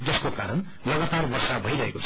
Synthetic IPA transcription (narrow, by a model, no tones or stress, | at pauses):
d͡zʌskokaɾʌn | lʌɡat̪arbʌrsabʱʌiɾʌɦekot͡sʰ